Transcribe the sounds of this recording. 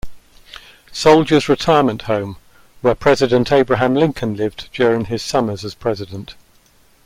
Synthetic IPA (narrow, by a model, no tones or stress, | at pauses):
səʊlˠd͡ʒəzɹɪtʰaɪəmə̃nʔhə̃ʊ̃m | wəpʰɹ̥ɛzɪdə̃ntʰeɪbɹəɦãmlɪ̃ŋkʰə̃nlɪvd͡ʒjɔːɹɪ̃ŋɪz̥sʌməzəz̥pʰɹ̥ɛzɪdə̃nt